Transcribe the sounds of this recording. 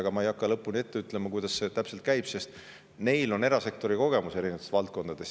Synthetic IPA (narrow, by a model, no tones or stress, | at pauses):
ɡ̥ɑmɑejɑkːɑlɤ̞pːˑunie̞t̪ːe̞yt̪ˑlemɑkujd̪̥ɑsːe̞t̪æpse̞lt̪kæjb̥se̞st̪ | me̞jlo̞ne̞ɾɑse̞k̚t̪o̞ɾiko̞ɡ̥e̞muse̞ɾinevɑt̪et̪vɑlt̪̚ko̞nd̪̥ɑd̪e̞s